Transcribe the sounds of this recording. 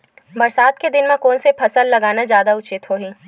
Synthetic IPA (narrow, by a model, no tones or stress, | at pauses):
bɐɾsaːt̪ked̪ɪnmẽkɔːnsepʰɐsəlːɐɡaːnad͡ʒjaːd̪aʊt͡ʃɪt̪ɦoːɦĩː